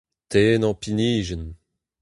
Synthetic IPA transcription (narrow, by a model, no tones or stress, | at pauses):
t̪enɑ̃piniːʒən